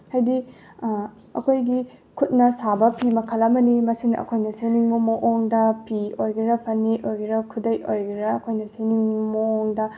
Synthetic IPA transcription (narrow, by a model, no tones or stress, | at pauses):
hɐjdi | ɐ̰kʰojɡi | kʰut̚nɐsabɐpʰimɐkʰɐlɐmɐnimɐsinɐ̰kʰojnɐseniŋmumoʔoŋdɐpiojɡiɾɐpʰɐnːiʔojɡiɾɐkʰudɐjojɡiɾɐɐkʰojnɐseniŋmooŋdɐ